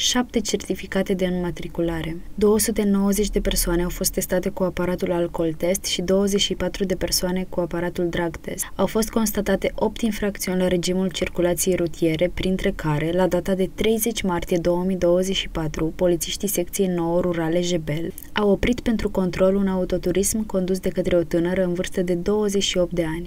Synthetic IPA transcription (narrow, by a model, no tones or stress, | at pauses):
ʃap̚t̪e̞t͡ʃert̪ifikat̪e̞d̪eɨnmat̪ɾikulaɾe̞d̪o̞wəsut̪e̞no̞wəze̞t͡ʃʲd̪e̞pe̞rsoane̞awfo̞st̪ːe̞st̪at̪e̞kuapaɾat̪ulalko̞lt̪e̞st̪ʃid̪o̞wəze̞t͡ʃʃipat̪ɾud̪e̞pe̞rsoane̞kuapaɾat̪uld̪ɾaɡt̪e̞̰sawfo̞st̪̚ko̞nst̪at̪at̪e̞ʔo̞p̚t̪infɾak̚t̪siunʲlaɾe̞d͡ʒimult͡ʃirkulat̪sije̞jɾut̪ije̞ɾe̞pɾint̪ɾe̞kaɾe̞lad̪at̪ad̪e̞t̪ɾe̞jze̞t͡ʃʲmart̪ije̞d̪o̞wəmijd̪o̞wəze̞t͡ʃʃipat̪ɾupo̞lit̪siʃt̪ise̞kt̪siejno̞woɾuɾale̞ʒe̞be̞l | awo̞pɾit̪pe̞nt̪ɾuko̞nt̪ɾo̞lunaut̪o̞t̪uɾismko̞nd̪us̬d̪e̞kət̪ɾe̞o̞t̪ɨnəɾəɨnvɨrst̪əd̪e̞d̪o̞wəze̞t͡ʃʃio̞p̚t̪d̪e̞anʲ